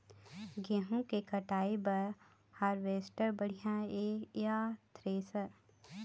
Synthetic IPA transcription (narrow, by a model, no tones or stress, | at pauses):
ɡeɦũkekɐʈaːebɐɾ | haːɾʋeːsʈəɾbɐɽ̤ijãeːkjaːt̪ɾeːsəɾ